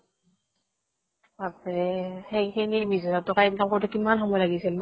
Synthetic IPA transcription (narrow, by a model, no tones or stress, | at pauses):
apɹɛxejkʰenibizɔjatɔkainkamkɔɹitukimanxɔmɔjlaɡisilm